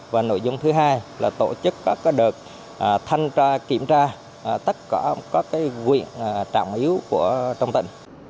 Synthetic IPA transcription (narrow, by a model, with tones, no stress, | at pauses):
vaː˨˩no̰˧˨jzʊ˧ŋ͡mt̪ʰɨ˨˦ɦaː˧jlaː˨˩t̪o̰˧˩t͡ɕɨ˦˥kːɔ˨˦kɔ˨˦ɗɨ˨˩ək̚ | ʔːt̪ʰa˧jŋaː˧ki˧˩əmt͡ɕaː˧˨˩ | t̪ə˦˥t̚ka˧˩kɔ˨˦kaː˨˦jɣwḭ˧˨ən˨˩t͡ɕa̰ː˧˨wŋ͡mʔi˨˦əwku˧˩ət͡ɕɔ˧wŋ͡mt̪ḭ̈˧˩˨ŋ̟